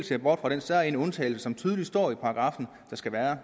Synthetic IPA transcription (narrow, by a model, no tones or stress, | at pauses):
lse̝ɐb̥ɒ̰ːd̥fʁɑ̈ɾ̥ensæɐ̰enɔ̽nt͡sʰɛ̰ːɪl̩səsɒ̽mt͡sʰyːðˠli̥sd̥ɒ̰ːipʰɑ̈ɑɡ̥ʁɑ̈fn̩ | d̥ɑ̈sɡ̥æʋæːɐ